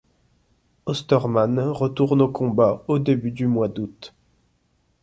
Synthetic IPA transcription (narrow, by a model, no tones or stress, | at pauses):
ɔst̪ɔʁmanʁət̪uʁnokʰɔ̃baod̪ebyd̪ymwad̪ut̪